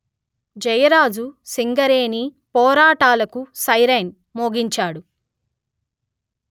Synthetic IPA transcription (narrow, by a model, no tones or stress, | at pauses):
d͡ʒɐjɐɾaːd͡ʒusiŋɡɐɾeːni | pɔːɾaːʈaːlɐkusɐjɾɐjn | moːɡiɲt͡ʃaːɽu